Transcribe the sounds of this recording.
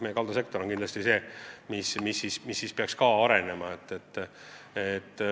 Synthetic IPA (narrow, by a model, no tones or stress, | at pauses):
mejekɑld̪use̞k̚t̪o̞ɾonŋkind̪lɑst̪ise̞ːmismisːiːsmisːiːspeɑkskɑɑɾe̞ne̞mɑet̪ːet̪ː | et̪ː